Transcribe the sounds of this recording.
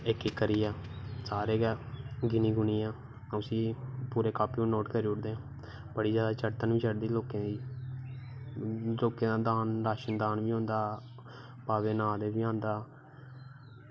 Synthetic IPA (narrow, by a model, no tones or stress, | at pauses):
ɪkɪkːəɾiːaːsaːɾeːɡɛːɡɪniːɡʊniːãː | ʊsĩːpuːɾeːkaːpiːũːnoːʈkəɾiːʊʈd̪eːãː | bəɽiːzjaːd̪aːt͡ʃəɾt̪ənʋiːt͡ʃʰəɽd̪iːloːkẽːd̪iː | loːkẽːd̪aːd̪aːnɾaːʃənd̪aːnʋiːõːnd̪aː | baːʋeːnãːd̪eːbiːãːnd̪aː